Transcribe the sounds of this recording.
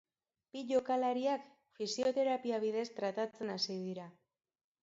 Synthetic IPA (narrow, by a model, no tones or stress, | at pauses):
piʎo̞kalaɾiak | fisio̞t̪e̞ɾapiaβ̞ið̞e̞st̪ɾat̪at͡se̞nasið̞iɾa